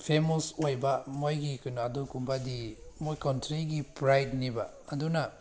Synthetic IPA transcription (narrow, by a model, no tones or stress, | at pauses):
pʰemɔsojbamojɡikɯnadukumbadimojkɔntɾiɡipɾajdnibaːduna